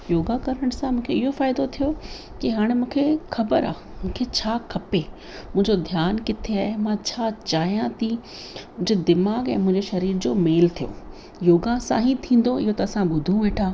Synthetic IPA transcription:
joːɡakɐɾəɽ̃sãmũːkʰeɪɦofaːɪd̪ot̪ʰijo | kiɦaːɽ̃emũːkʰexɐbəɾa̰ː | mũːkʰet͡ɕʰaːkʰɐpe | mʊ̃ɦɪ̃ɲd͡ʑod̪ʱjaːnkɪt̪ʰeaːɦemãt͡ɕʰaːt͡ɕaːijãt̪ʰi | ʊ̃ɲd͡ʑed̪ɪmaːɡɛ̰̃ːmʊ̃ɪ̃ɲd͡ʑeʃɐɾiːɾd͡ʑoːmeːlt̪ʰijo̰ | joːɡãsã̰ːɦĩt̪ʰĩːn̆d̪oɪɦot̪ɐːsãɓʊd̪ʱũʋeːʈʰãː

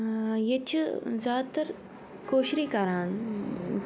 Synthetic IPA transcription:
jet͡ʃʰzjaːd̪t̪ɐɾ | koːʃɾiːkɐɾaːn

